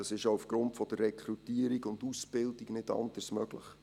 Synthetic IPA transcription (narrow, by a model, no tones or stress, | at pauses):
ɑsɪʃoufɡ̥ɾʊntfɔd̥ərːɛkʰrutiːəɾiɡʊndusb̥ɪldiknɪtɑ̰ndəsmœɡlə̰χ